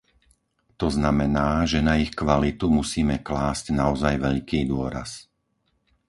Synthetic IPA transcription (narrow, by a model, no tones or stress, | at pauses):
t̪ɔznamɛnaːʒɛnaixkʋalit̪umusiːmɛklaːscnaɔzajʋɛʎkiːd̪ʊɔɾa̰s